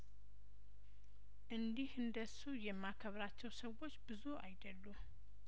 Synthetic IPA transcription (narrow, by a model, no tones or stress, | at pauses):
ʔɨnd̪ihɨnd̪əsujɛmːakʰəβɾat͡ʃːɛwsəwo̞t͡ʃːbɨzua̰jd̪əlːu